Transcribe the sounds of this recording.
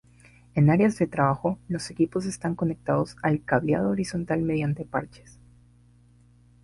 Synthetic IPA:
e̞naɾeazðe̞t̪ɾaβaxo̞lo̞se̞kipo̞s̬e̞st̪aŋko̞ne̞k̚t̪að̞o̞salkaβja̰ð̞oːɾiso̞nt̪alme̞ðjant̪e̞paɾt͡ʃe̥s

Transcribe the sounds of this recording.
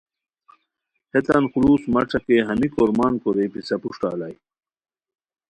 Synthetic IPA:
het̪ɐnxuluːsmɐʈ͡ʂʰɐkeɦɐmikoːɾmaːnkoɾejpisɐpuʂʈa̰ːlaj

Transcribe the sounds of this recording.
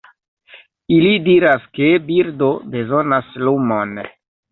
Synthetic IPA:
ilidiɾaskebiɾdo̞be̞zo̞naslumo̞n

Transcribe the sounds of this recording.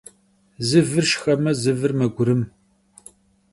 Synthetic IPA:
zɨvɨrʃxɐmɐzɨvɨrmɐɡʷʊɾɨm

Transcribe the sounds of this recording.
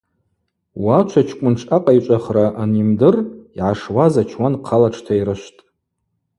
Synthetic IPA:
wat͡ʃʷʰat͡ʃʰkʷʼʊnʈ͡ʂʰaqʼajt͡ʃʷʼaχraʔanimdɨriʕaʂwazat͡ʃʰwanqʰalaʈ͡ʂʰtʰaiɾɨʃʷtʼ

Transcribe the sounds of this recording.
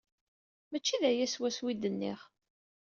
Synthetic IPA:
mæt͡ʃːiðæjæswæswid̪ənːiχ

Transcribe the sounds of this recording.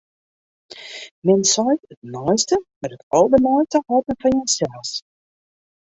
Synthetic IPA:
mɛnsɔjtət̚nɔjstəmɛtətowbənɔjtəhɔtənfɔnjɔjsɛlˠs

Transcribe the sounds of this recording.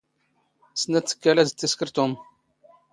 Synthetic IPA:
snæt͡sːə̥kːælæzt͡s̪ːiskəɾt̪um

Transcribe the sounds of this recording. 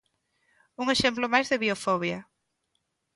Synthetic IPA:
uŋeʃemplomajzðɪβiofɔβjɐ

